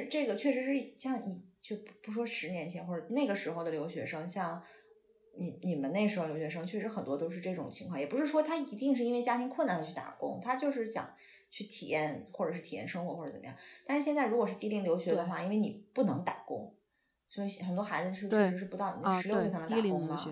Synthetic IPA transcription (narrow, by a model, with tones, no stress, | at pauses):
ɻ̩˥˧ʈ͡ʂɤ˥˩ɡə˩t͡ɕʰɥɛ˥˩ʂɻ̩˧˥ʂɻ̩˥˩˨ɕjɑ˥˩ŋi˧˥t͡ɕo˥˩ʊpu˧˥ʂwɔ˥ʂɻ̩˧˥njɛ˧˥nt͡ɕʰjɛ˧˥nxwɔ˥˩ʈ͡ʂɤ˧˩ne˥˩ɡə˩ʂɻ̩˧˥xo˧ʊd̪ə˩ljo˧˥ʊɕɥɛ̰˧˥ʂɤ˥ŋɕjɑ˥˩ŋ | ni˨˩ni˨˩mə˦ne˥˩ʂɻ̩˧˥xo˧ljo˧˥ʊɕɥɛ˧˥ʂ̬ɤ˥ŋt͡ɕʰɥɛ˥˩ʂɻ̩˧˥xə˨˩nt̪wɔ˥t̪o˥ʊʂ̬ɻ̩˥˧ʈ͡ʂɤ˥˩ʈ͡ʂʊ̰˨˩ŋt͡ɕʰi˧˥ŋʰwɑ˥˩ŋjɛ˨˩pu˧˥ʂɻ̩˥˩ʂwɔ˥t̪ʰa˥i˧˥t̪i˥˧ŋʂ̬ɻ̩˥˧i˥nwe˥ɪt͡ɕja˥t̪ʰi˧˥ŋkʰwə˥˩na˥˩nd̪ə˩t͡ɕʰy˥˩t̪a̰˨˩kʊ̰˥ŋt̪ʰa˥t͡ɕjo˥˧ʊʂ̬ɻ̩˥˩ɕjɑ̰˨˩˦ŋ | t͡ɕʰy˥˩t̪ʰḭ˨˩jɛ˥˧nxwɔ˥˩ʈ͡ʂɤ˨˩ʂɻ̩˥t̪ʰi˨˩jɛ̰˥˩nʂɤ˥ŋxwɔ˧˥xwɔ˥˩ʈ͡ʂt͡sə˨˩mə˧jɑ̰˥˩t̪a˥˧ʂɻ̩˥˧ɕjɛ˥˧nt͡sa˥˩ɻu˧˥kwɔ˨˩ʂɻ̩˥˧t̪i˥˧li˥˩ŋljo˧˥ʊɕɥɛ˧˥d̪ə˧xwa˥˩i˥nwe˥˩ɪni˨˩pu˥˩nɤ˧˥ŋt̪a˨˩kʊ̰˥ŋ | sɔ˧˥i˧˥xə˨˩nt̪̬wɔ˥xa˧˥ɪd͡zɹ̩˧ʂɻ̩˥˧t͡ɕʰy˥˩ɻ̩˧˥ʂɻ̩˥˩pu˧˥t̪ɑ˥˩ʊ˨˧˥ʂ̩˧˥jo˥˧ʊse˥˩a˥n˧˥a˧kʊ˥ŋmɐ˨˩